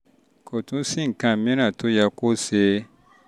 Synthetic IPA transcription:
kʰo˨tũ˨˦sĩ˦ŋ̩˨kã˨mĩ˦nã˨tʰo˦ja˧ko˦se˧˦

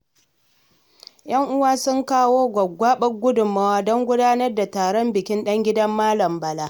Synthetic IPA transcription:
jɐ˦ŋʔʊ˦waː˦sʊ˦ŋkaː˦woː˦ɡʷɐ˨ɡʷaː˦ɓɐ˦ɡʷʊ˦dʊ˨mɐ˦waː˦dɔ˦ŋɡʷʊ˦daː˦nɐ˦rda˨taː˨ɽɔ˦mbɪ˨kʲɪ˦nɗɐ˦ŋɡʲɪ˦dɐ˦mːaː˦lɐ˨mbɐ˨laː˦

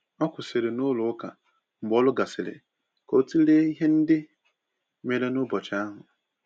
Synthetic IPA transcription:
ɔ˦kʷʊ˨sɪ˨ɾɪ˨nʊ˦lʊ˨ʊ˦ka̰˨ | m̩˨bɔ˦lʊ˦ɡa˨sɪ˨ɾɪ̰˨ | ko˨˦ti˦le˦i˦ɦe˦n̩˦dɪ˦ | me˨ɾe˦nʊ˦bɔ˨t͡ʃa˦a˦ɦʊ˨

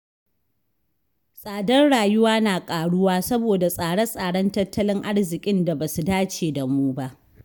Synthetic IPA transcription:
sʼaː˨dɐ˦nɽaː˨jʊ˦waː˦naː˨kʼaː˨ɽʊ˦waː˦sɐ˦boː˨da˨sʼaː˨ɽɐ˦sʼaː˨ɽɐ˦ntɐ˦tːɐ˦lɪ˦ŋʔa˦ɽzɪ˨kʲʼɪ˦nda˨baː˨su˨daː˦t͡ʃeː˨da˨muː˦ba˦ʔ

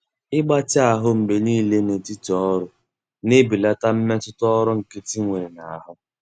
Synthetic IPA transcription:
ɪ˦ɡ͡ba˦t͡ʃɪ˦a˨ɦʊ˦m̩˨be˨niː˦le˦ne˨ti˦tɔ˦ɾʊ˦ | ne˦bi˨la˦ta˦m̩˦me˦tʊ˦tʊ˦ɔ˦ɾʊ˦ŋ̩˨ke˦ti˦ŋʷe˨ɾe˨na˨a˨ɦʊ˦

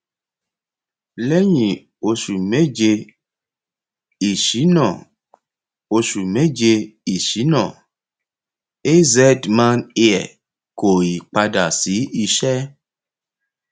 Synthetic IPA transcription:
le˦ɲĩ˨ | o˧ʃu˨me˦d͡ʒe˧ | i˨ʃi˨˦nɔ̃˨ | o˧ʃu˨me˦d͡ʒe˧i˨ʃi˨˦nɔ̃˦˨ | e˦zɛ˦dmã˦ne˦ɛ̰˨ | ko˨i˨k͡pa˧da˨si˨˦i˧ʃɛ˦

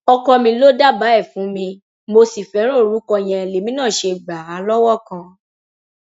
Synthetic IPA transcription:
ɔ˧kɔ˧mĩ˧lo˦da˦ba˨˦ɛ˦˨fũ˨˦mĩ˧ | mo˧si˨fɛ˨˦ɾ̃õ˦˨ɾu˨˦kɔ˧j̃ɛ̃˧e˨le˨˦mĩ˦nãː˦˨ʃe˧ɡ͡ba˨a˨˦lɔ˦wɔ˦˨kã˧

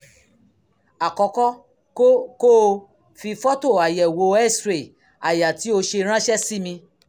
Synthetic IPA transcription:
a˨kɔ˧kɔ˦ | ko˦ | fi˧fɔ˦to˦˨a˨jɛ˨wo˧˦ɛ˦˨sɾe˨ | a˨ja˨ti˨˦o˧ʃe˧ɾ̃ã˦ʃɛ˦si˦mĩ˧

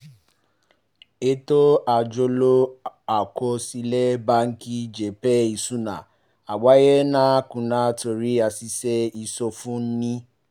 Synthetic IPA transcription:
e˦to˦a˨d͡ʒo˧lo˦a˨ko˧si˧lɛ˦ba˦ŋ̩˦ki˦d͡ʒe˨pɛ˦i˨sũ˦nã˨ | a˨wa˨˦jɛ˦nã˦kũ˨nã˨˦to˧ɾi˦a˧si˧sɛ˦i˧so˧fũ˦n̩˦nĩ˦

